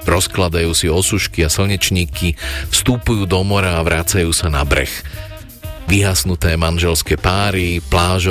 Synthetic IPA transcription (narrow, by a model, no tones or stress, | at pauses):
ɾɔsklad̪ajuːsiɔsuʃkiasl̩ɲɛt͡ʃɲiːkifst̪upujuːd̪ɔmɔɾaːʋɾaːt͡sajuːsanabɾɛ̰x | ʋiɦaːsnut̪ɛːmanʒɛlskɛːpaːɾiplaːʒ